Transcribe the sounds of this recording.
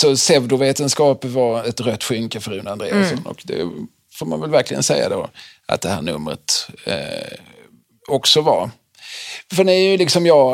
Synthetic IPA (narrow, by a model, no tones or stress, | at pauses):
sɔsɛvd̪ʊveːt̪ənskɑːpvaɾɛt̪ɾœt̪ːɧʏŋkəfœɾʉnːand̪ɾḛːssɔnɔ̰kd̪ɛ̰ | foːɾma̰nvɛlvæɾklɪɡə̰nsɛjːa̰d̪o̰ːʔa̰t̪̚d̪ɛhæːɳɵ̰mːɾə̰t̪ | ɔksɔvaɾ | fənɛjɵlɪksɔmjɑː